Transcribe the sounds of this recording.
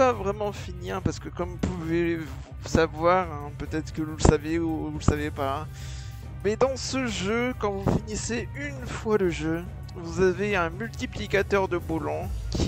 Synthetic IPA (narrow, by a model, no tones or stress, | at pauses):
pavʁɛmɑ̃finiɛ̃paʁsə̥kəkɔmpuvevusavwaʁɛ̃pøt̪ɛt̪χə̥kəvuləsaveuvuləsavepa | mɛd̪ɑ̃səʒøkɑ̃vufiniseynfwad̪əʒø | vuzaveɛ̃mylt̪iplikʲat̪œʁd̪əbolɑ̃kʲi